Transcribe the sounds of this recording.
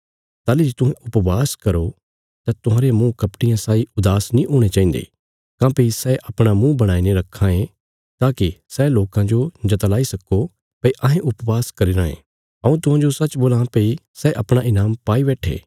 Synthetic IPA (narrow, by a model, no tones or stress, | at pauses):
t̪aːlid͡ʒit̪ʊɦẽʔʊpʋaːskɐɾo | t̪at̪ʊɦãːɾemũkɐpʈɪjãsaːiʊd̪aːsnĩʔoːɽ̃et͡ʃaːĩːnd̪ḛ | kãːpeisɛːʔɐpɽ̃amũːbɐɽ̃aːineɾɐkʰːãẽ | t̪aːkisɛːloːkãd͡ʒod͡ʒɐt̪əlaːisɐkːo | pɐiʔɐ̃ɦẽʔʊpʋaːskɐɾiɾãːḛ̃ | ɐũt̪ʊɦãd͡ʒosɐt͡ʃboːlapeisɛːʔɐpɽ̃aʔɪnaːmpaːiβɛːʈʰḛː